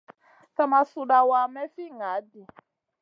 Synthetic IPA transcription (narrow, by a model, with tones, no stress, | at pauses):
θa˦˨ma˨su˧ɗa˨wa˨mɛ˦fi˦ŋa˨˦di˨